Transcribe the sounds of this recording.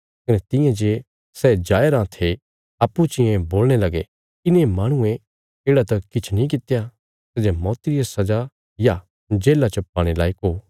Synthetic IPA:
kɐnɛt̪ɪ̃jãd͡ʒe | sɛd͡ʒaːeɾãt̪ʰe | ɐpːut͡ʃɪjẽboːlɽ̃elɐɡe | kɪnẽmaːɽ̃ʊ̃ẽ | eːɽat̪ɐkɪt͡ʃʰnĩk̬ɪt̪eja | sɛd͡ʒemɔːt̪iɾiasɐd͡ʒa | ja | d͡ʒeːlat͡ʃɐpːaːɽ̃elaːikoː

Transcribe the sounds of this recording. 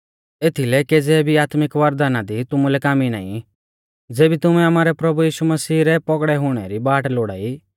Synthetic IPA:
eːt̪ʰilɛked͡zɛbʱiaːt̪mɪkʋɐɾd̪aːnad̪it̪ʊmulɛkaːmina̰ːḭ̃ | d͡zeːbit̪ʊmɛ̃amaːɾɛpɾɐbujiːʃumɐsiːɾɛpɔɡɽɛɦʊɽ̃ɛɾibaːʈloːɽa̰ːi

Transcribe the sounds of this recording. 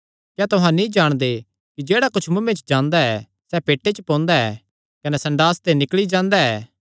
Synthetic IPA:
kjaːt̪ʊɦãnĩd͡ʒaːɽ̃d̪e | kid͡ʒeːɽakʊt͡ʃʰmʊ̃mẽt͡ʃd͡ʒãːnd̪aɛ | sɛpeːʈːet͡ʃpõːnd̪aɛ̰ː | kɐnɛsɐ̃ɳɖaːst̪enɪkɭid͡ʒãːnd̪aɛː

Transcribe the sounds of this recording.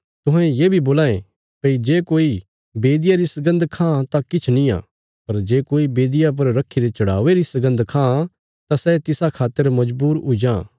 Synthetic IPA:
t̪ʊɦɛ̃jeːbʱiboːlaːẽ | pɐid͡ʒeːkoːi | beːd̪ɪjaɾisɐɡə̃nd̪kʰãːt̪akɪt͡ʃʰnĩã̰ː | pɐɾd͡ʒeːkoːibeːd̪ɪjap̬ɐɾɾɐkʰːiɾet͡ʃɐɽ̤a̰ːʋeɾisɐɡə̃nd̪kʰãː | t̪asɛt̪ɪsakʰaːt̪ːəɾmɐd͡ʒbuːɾʊid͡ʒãː

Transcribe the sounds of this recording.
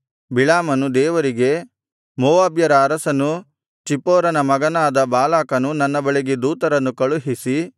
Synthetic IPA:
biɭaːmɐnud̪ɛːʋɐɾiɡe̞ | moːʋaːbjɐɾɐːɾɐsɐnu | t͡ʃipːɔːɾɐnɐmɐɡɐnaːd̪ɐbaːlaːkɐnunɐnːɐbɐɭeɡed̪uːt̪ɐɾɐnːukɐɭuɦisi

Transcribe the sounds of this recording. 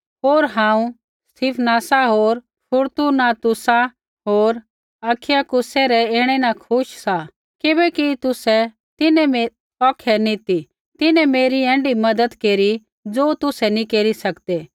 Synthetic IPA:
ɦoːɾɦãːũ | st̪ʰɪːpʰnaːsaɦoːɾ | pʰʊɾt̪unat̪ʊsa | ɦoːɾ | ɐkʰɪjakʊsɛɾɛeːɽ̃ɛnakʰʊʃsa | kɪbɛkit̪ʊsɛ | t̪ɪnɛme | ɔːkʰɛnĩt̪i | t̪ɪnɛ̃meːɾiɛ̃ːɳɖimɐd̪əd̪keːɾi | d͡zoːt̪ʊsɛnĩkeːɾisɐkd̪eː

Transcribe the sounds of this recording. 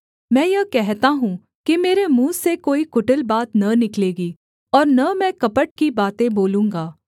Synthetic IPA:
mɛ̃ːjɐkɛɦt̪aɦũː | kemeːɾemũːsekoːikʊʈəlbaːt̪nɐnɪkleːɡiː | ɔːɾnɐmɛ̃ːkɐpəʈ̚kibaːt̪ẽboːlũːŋɡaː

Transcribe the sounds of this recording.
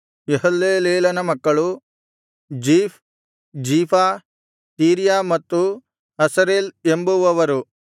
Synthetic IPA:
eɦɐlːeːleːlɐnɐmɐkːɐɭu | d͡ʒiːf | d͡ʒiːpʰa | siːɾijamɐt̪ːu | ɐsɐɾeːlembuʋɐʋɐɾu

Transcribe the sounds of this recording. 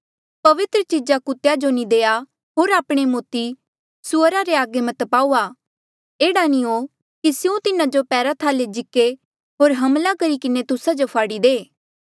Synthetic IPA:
pɐʋɪt̪ɾət͡ʃid͡ʒakʊt̪ejad͡ʒonĩd̪eːa | ɦoːɾaːpɽ̃emoːt̪i | sʊɾaɾeaːɡemɐt̪paːuːa | eːɽanio | kisɪũt̪ɪnãd͡ʒopɛːɾat̪ʰaːled͡ʒɪkːe | ɦoːɾɦɐmlakɐɾikɪnet̪ʊsad͡ʒopʰaːɽid̪eː

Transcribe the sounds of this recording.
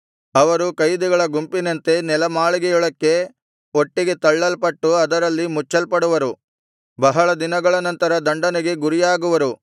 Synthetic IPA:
ɐʋɐɾukɐjd̪iɡɐɭɐɡumpinɐnt̪e̞nɛlɐmaːɭiɡɛjɔɭɐkːe̞ | o̞ʈːiɡe̞t̪ɐɭːɐlpɐʈːuɐd̪ɐɾɐlːimut͡ʃːɐlpɐɽuʋɐɾu | bɐɦɐɭɐd̪inɐɡɐɭɐnɐnt̪ɐɾɐd̪ɐɳɖɐneɡe̞ɡuɾijaːɡuʋɐɾu

